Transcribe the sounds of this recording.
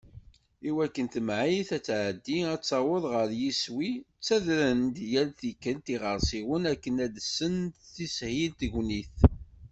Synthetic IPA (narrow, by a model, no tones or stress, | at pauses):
iwækːənt̪əmʕiθæt͡sːʕəd̪ːiæt͡sːɑwəðˤʁəɾjiswi | t͡sːæðɾənd̪jælθikːəlt̪iʁəɾsiwənækːənæd̪əsːənθishilt̪ʝniθ